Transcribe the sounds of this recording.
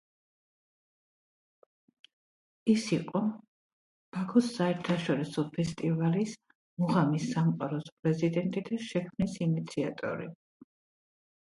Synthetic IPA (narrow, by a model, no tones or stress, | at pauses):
isiqʼɔ | b̥akʰɔsaɛɾt̪ʰaʃɔɾisɔpʰɛst̪ʼivalis | muʁamisːamqʼaɾɔspʼɾɛzid̪ɛnt̪ʼid̪aʃɛkʰmnisinit̪sʰiat̪ʼɔ̰ɾḭ